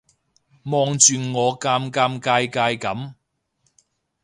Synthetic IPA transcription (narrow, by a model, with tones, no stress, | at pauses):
mɔː˧ŋt͡ʃyː˨nŋɔː˨˧kaː˧mkaː˧mkaː˧jkaː˧jkɐ˨˥m